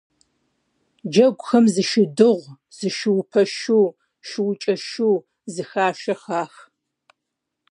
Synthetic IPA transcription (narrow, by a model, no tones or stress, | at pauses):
d͡ʒɐɡʷʊxɐmzɨʃɪdɨʁʷ | z̥ɨʃɪwʊpʰɐʃuː | ʃɪwʊt͡ʃʼɐʃuː | zɨxaːʃɐxaːx